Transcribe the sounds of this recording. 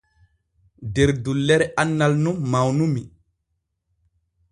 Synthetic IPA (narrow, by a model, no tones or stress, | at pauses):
deɾdulːɛɾɛanːalnummawnumi